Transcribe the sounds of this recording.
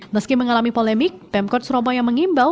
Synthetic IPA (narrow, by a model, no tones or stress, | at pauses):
məskɪməŋalamipolɛmɪk̚t̪ɛmkɔt̪̚suɾobajaŋməŋimbal